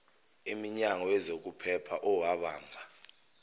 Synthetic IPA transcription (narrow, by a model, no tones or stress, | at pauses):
imiɲaŋɔjɛzok̬upʰɛpʰaʔɔwaɓaːŋʱa